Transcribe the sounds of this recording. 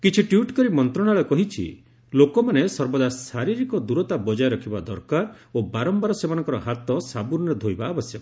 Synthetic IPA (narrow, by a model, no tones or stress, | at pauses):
kit͡ʃʰiʈjuʈkɔɾimɔnt̪ɾɔɽ̃aɭɔkɔɦit͡ʃʰḭ | lokɔmanesɔɾbɔd̪asaɾiɾikɔd̪uɾɔt̪abɔd͡ʒajɾɔkʰibad̪ɔɾkaɾobaɾɔmbaɾɔsemanɔ̃ŋkɔɾɔɦat̪ɔsabuɾnɾed̪ʱojbaːbɔsjɔ